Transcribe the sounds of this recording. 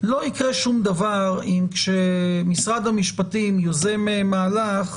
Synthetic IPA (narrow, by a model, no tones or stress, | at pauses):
lo̞ikʁeʃumd̪avaʁimkʃemisʁad̪hamiʃpatimjozememaːlaχ